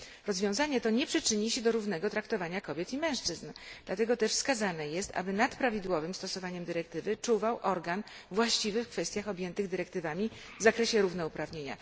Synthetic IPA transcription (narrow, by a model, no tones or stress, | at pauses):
ɾɔzvʲjɔ̃w̃zaɲɛt̪ɔɲɛpʂɘt͡ʂɘɲiɕɛd̪ɔɾuvnɛɡɔt̪ɾakt̪ɔvaɲakɔbʲjɛt̪imɛ̃w̃ʂt͡ʂɘznd̪lat̪ɛɡɔt̪ɛʂfskazanɛjɛst̪a̰bɘnat̪pɾavʲid̪wɔvɘmst̪ɔsɔvaɲɛmd̪ɘɾɛk̚t̪ɘvɘt͡ʂuvawʔɔɾɡan | vwaɕt͡ɕivɘfkfɛst̪jaxɔbʲjɛnt̪ɘɣd̪ɘɾɛkt̪ɘvamʲi | vzakɾɛɕɛɾuvnɔupɾavɲeɲa̰